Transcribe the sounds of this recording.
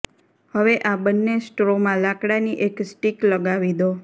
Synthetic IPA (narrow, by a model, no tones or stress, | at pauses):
həʋeʔabənːesʈɾomãlakɽaniʔeksʈikləɡaʋid̪o